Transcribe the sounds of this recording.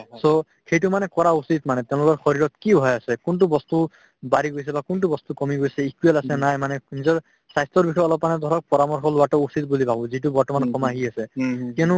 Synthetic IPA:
so | xejt̬ʊmanɛkɔɹausit̪manɛt̪ɛʊ̃lʊkɔɹxɔɹiɹɔtkibʱɔjasɛkunt̬ubɔst̪u | baɹiɡojs̬ɛbakunt̬ubɔst̪ukɔmiɡojsɛikuɛlasɛnajmanɛnizɔɹ | sajstɔɹbikʰɔjɔlɔpmanɛd̪ʱɔɹɔk̚pɔɹamɔɹxɔlʊwatɔusit̪̚bulibʱabɔ̃zit̬ubɔɹtɔmankɔmaɦiasɛkiunʊ

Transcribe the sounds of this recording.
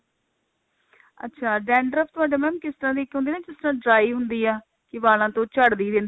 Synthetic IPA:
ə̰tːʃʰaːɖɛːɳɖəɾəft̪ʊɦaːɖeːmɛːmkɪst̪əɾãːd̪iːkːɦʊ̃nd̪iːnãːd͡ʒɪst̪ɾãːɖɾaːiːɦʊnd̪iːaː | kɪʋaːlãːt̪õːt͡ʃəɽd̪iːd̪en

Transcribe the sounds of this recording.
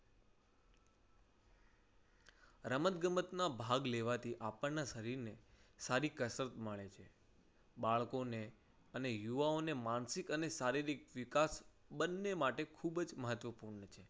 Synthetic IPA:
ɾəmət̪ɡəmət̪nabʱaɡleʋat̪ʰiʔapəɳnaʃəɾiɾnesaɾikəsɾət̪məɭet͡ʃʰe | baɭkone | ənejuʋaonemansikənesaɾiɾikʋɪkasbənːemaʈekʰubd͡ʒməɦət̪ʋəpuɾnət͡ʃʰe

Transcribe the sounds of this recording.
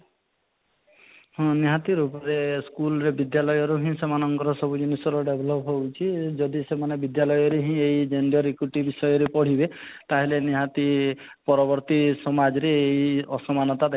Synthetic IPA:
ɦɔ̃niɦat̪iɾupɔɾeskulɔɾebid̪jalɔjɔɾuɦĩsemanɔŋkɔɾɔsɔbud͡ʒɔnisɔɾɔɖebʱɔlɔpɦowt͡ʃʰid͡ʒɔd̪isemanebid̪jalɔjɔɾeɦĩejd͡ʒenɖɔɾikɾuʈibisɔjɔɾepɔɽ̤ibet̪aɦileniɦat̪i | pɔɾɔbɔɾt̪isɔmad͡ʒɔɾeejɔsɔmanɔt̪ad̪

